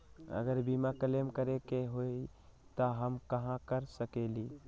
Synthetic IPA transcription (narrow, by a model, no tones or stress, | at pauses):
ə̰ɡəɾbiːmakəlemkəɾekeɦoi | t̪oɦəmkɐɦãkəɾsəkeliː